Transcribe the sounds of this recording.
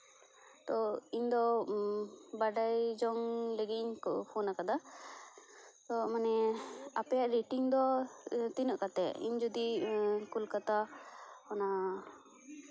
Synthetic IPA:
t̪ɔiɲd̪ɔ | baɖajd͡ʒɔŋlɛɡiɲkpʰɔnakad̪a | t̪ɔmanɛapɛjaʔɾiʈiŋd̪ɔt̪inəʔkat̪ɛḭɲd͡ʒɔd̪ikulkat̪aɔna

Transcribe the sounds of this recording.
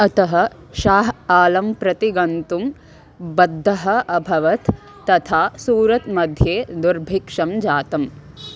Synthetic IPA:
ɐt̪ɐɦɐ | ʃaːɦaːlɐmpɾɐt̪iɡɐnt̪um | bɐd̪ʱːɐɦɐ̆ʔɐbʱɐʋɐt̪ː | ɐt̪ʰaːsuːɾɐt̪mɐd̪ʱjeːd̪uɾbʱikʂɐmd͡ʒaːt̪ɐm

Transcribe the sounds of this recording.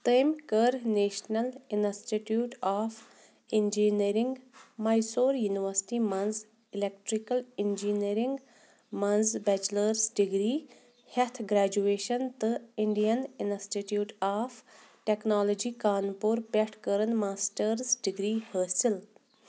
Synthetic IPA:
t̪əjmkəɾneːʃnɐlinsʈiʈjuːʈaːf | ind͡ʒiniɾiŋɡmɐjsoːɾjuːniʋəɾsʈimɐnz | ilek̚ʈɾikɐlind͡ʒiniɾiŋɡ | mɐnzbɛt͡ʃlɐɾzɖiɡɾiː | het̪ʰɡɾæːd͡ʒueːʃɐnt̪ɨiɳɖijɐnɪnsʈiʈjuːʈaːfʈeknaːlod͡ʒiːkaːnpoɾpeʈʰkəɾɐnmaːsʈɐɾzɖiɡɾiːhəːsil

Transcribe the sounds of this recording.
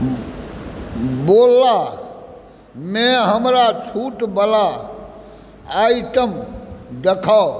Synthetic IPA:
boːlːaː | mɛ̃ːɦəmɾat͡ʃʰuːʈbəla | aːit̪əmd̪əkʰaː

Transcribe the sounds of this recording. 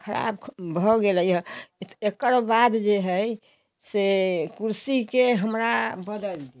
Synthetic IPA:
kʰəɾa̰bʰbʱɔɡeləjɔt̪ekəɾbad̪d͡ʒeɦəj | sekuɾsikeɦəmɾabəd̪əld̪i

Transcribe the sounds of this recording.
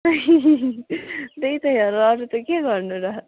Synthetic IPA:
i | d̪eit̪ʌjaɾːaɾut̪okeɡʌɾnuɾʌ

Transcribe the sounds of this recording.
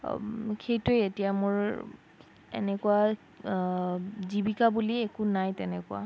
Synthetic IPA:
kʰejtʊjetijamʊɹ | ḛnɛkuwa | zibikabuliekunajtɛnɛkua̰

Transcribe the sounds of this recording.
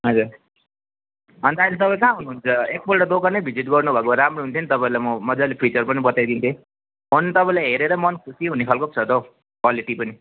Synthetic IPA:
ɦʌd͡zuɾ | ʌnt̪aĩlet̪ʌpãĩkãɦunuɦunt͡sʰʌek̚bʌlʈʌd̪okanʌbʱid͡ziʈɡʌrnubʱʌkoaɾamroɦunt̪ʰenit̪ʌpaĩlajmʌmʌd͡zalepʰit͡sʌrpʌnibʌt̪ajd̪int̪ʰiẽ | mʌnt̪ʌpãĩlajɦeɾeɾʌmʌnkʰusiɦunekʰʌlkop̚t͡sʰʌt̪o | kwaliʈipʌni

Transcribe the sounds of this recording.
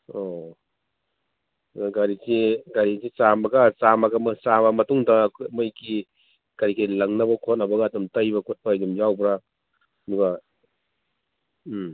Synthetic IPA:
o | ɡaɾisiɡaɾisit͡ʃambɐɡɐsamɐɡɐmsabɐmɐtuŋdɐmɐjki | kaɾikilɐŋnɐbɐkʰot̚nɐbɐɡɐːdumtɐjbɐkʰot̚pʰaːjdumjawbɾa | duɡa

